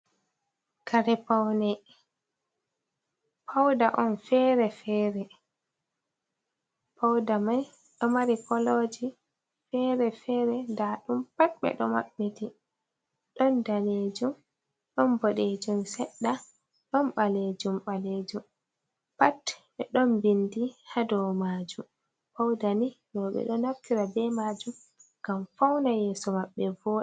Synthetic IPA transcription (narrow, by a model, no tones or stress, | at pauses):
kaɾɛpawnɛ | pʰawdaʔɔnfɛɾɛfɛːɾɛ | pʰawdamaj | ɗɔmaɾipɔlod͡ʒi | fɛːɾɛfɛɾɛdaːɗumpatɓɛ̰ɗɔma̰ɓːiti | ɗɔndaled͡ʒum | ɗɔnbɔɗed͡ʒumsɛɗːa | ɗɔnɓaled͡ʒumɓaled͡ʒum | pat | ɛɗɔnbindihadɔwmaːd͡ʒum | pawdanidɔɓɛ̰ɗɔnaftiɾabɛmad͡ʒum | ɡ̥amfawnajɛːsɔmaɓːɛvɔːɗɛ